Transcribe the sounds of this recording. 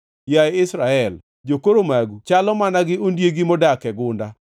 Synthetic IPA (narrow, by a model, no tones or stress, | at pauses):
jaɛɪsɾaɛl | d͡ʒokoɾomaɡut͡ʃalɔmanaɡɪondjeɡimɔdakɛɡʊnda